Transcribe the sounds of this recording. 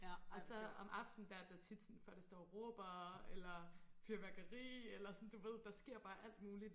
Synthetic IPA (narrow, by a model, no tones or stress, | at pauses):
ɒ̽sɒ̽ɒ̽mʔɑ̈fd̥n̩d̥æɐd̥æt͡sʰid̥sɔnfɒɐd̥ɑsd̥ɒ̰ːʁoːb̥ɐelɐfyɐʋæɐɡ̥ɐʁḭːelɐsɒ̽nd̥uʋe̝ð̞̰ˠd̥ɑ̈sɡ̥e̝ɐ̰b̥ɑ̈ːʔæl̰d̥muːli